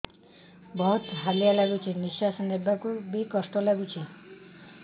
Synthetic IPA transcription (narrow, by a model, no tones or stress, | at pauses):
bɔɦut̪ɦalijalaɡut͡ʃʰiniʃasɔnebakubikɔsʈɔlaɡut͡ʃʰi